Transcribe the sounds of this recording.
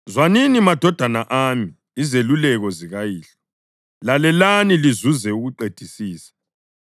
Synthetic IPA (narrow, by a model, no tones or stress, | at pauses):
zwaninimad̥ʱɔd̥ʱanaʔaːmiː | zelulɛɣɔziɣajiːɬɛ̥ | lalɛlanilizuzɛuɣuǃed̥ʱisiːsḁ